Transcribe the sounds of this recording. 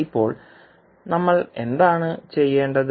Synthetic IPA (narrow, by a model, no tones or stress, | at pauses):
ipːo̞ːɭ | nɐmːɐɭe̞̰nd̪aːɳɨt͡ɕe̞jːe̞ːɳɖɐð